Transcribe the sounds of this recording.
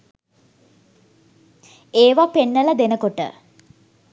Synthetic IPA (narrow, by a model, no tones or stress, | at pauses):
eːʋapenːələd̪enəkoʈə̰